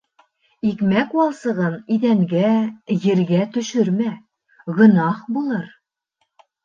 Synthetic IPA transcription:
ikmækwɑlˠsɤ̆ʁɤniðæŋɡæjɘ̆ɾɡæt̪ɵ̆ʃɵɾmæ | ʁɤ̆nɑχbulˠɤɾ

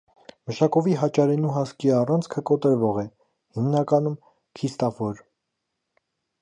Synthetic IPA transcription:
məʃɑkɔviɦɑt͡ʃɑɾɛnuɦɑskiɑrɑnt͡sʰkʰəkɔt̪əɾvɔʁɛ | himnɑkɑnum | kʰist̪ɑfɔɾ

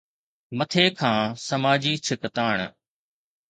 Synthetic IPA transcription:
mət̪ʰeːkʰãːsɐmaːd͡ʑiːt͡ʃʰɪkət̪aːɳ̃

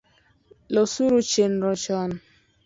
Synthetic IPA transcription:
losuɾut͡ʃen̩ɾʊt͡ʃɔnʊ

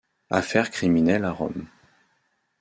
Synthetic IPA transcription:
a̰fɛʁkχiminɛlaʁɔ̰m

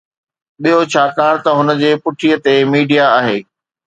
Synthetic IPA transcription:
ɓiɦot͡ɕʰaːkaːɽ̃t̪ɐɦʊnə̆d͡ʑeːpʊʈʰiət̪emiːɖijaaːɦeː

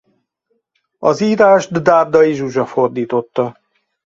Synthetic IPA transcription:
ɒziːɾaːʒd̪d̪aːb̚d̪ɒiʒuʒɒfo̞rd̪iːt̪o̞t̪ːɒ

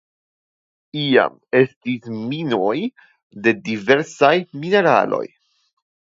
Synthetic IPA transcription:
ia̰m | e̞stisminoj | de̞dive̞ɾsajmine̞ɾa̰lo̞̰j

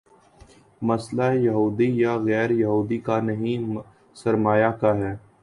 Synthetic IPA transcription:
mɐslaɛjɐɦuːd̪ijaɣɛːɾjɐɦuːd̪ikanɐɦĩ | sɐɾmaːjakaɦɛː

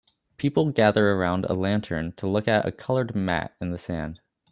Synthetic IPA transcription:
pʰipl̩ˠɡæðə˞ə˞ãʊ̃ndə̰læ̃ntʰə̰̃˞ntʰəlʊkɨɾə̰kʰʌlˠə˞d̚mæ̰ɾɨ̃nðɨsæ̃nd̥

